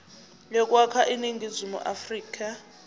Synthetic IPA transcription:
lɛkʼwakʰaʔiniŋɡʱizʷimṵʔafriːkʼa

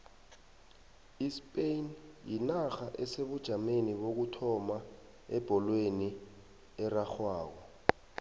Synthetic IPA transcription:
ispʼejnjinaxaʔɛseɓud̥ʒ̥ʱameniɓok̬utʰɔma | ɛb̥ʱɔlweni | ɛraxwaːk̬ɔ

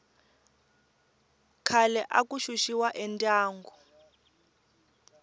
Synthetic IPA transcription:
kʰalɛʔakuʃuʃiwaʔɛntʼaːŋɡɔ

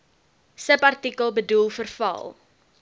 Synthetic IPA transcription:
səpɐrtikəlˠbədulˠfərfɐ̰lˠ

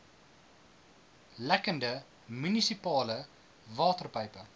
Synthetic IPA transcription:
lækəndə | mynisipɑːlə | vɑːtərpəjpə

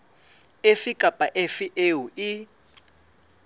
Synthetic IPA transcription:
efikʼapʼaʔefiʔewui

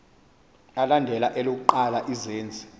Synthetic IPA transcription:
alandʱɛlaʔɛlok̬uǃalaʔizeːnd͡zʱi̥

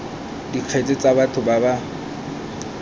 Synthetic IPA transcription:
diq͡χʰet͡sʼɪt͡sʼabatʰʊbaba

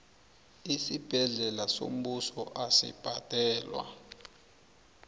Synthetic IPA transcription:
isib̥ʱɛɮɛlaso̰m̩ɓusɔʔasḭb̥ʱad̥ʱɛːlwa̰

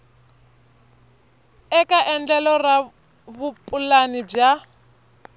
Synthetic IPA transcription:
ɛkʼaʔɛnd͡ɮɛlɔra | βupʼulanib͡ʐja

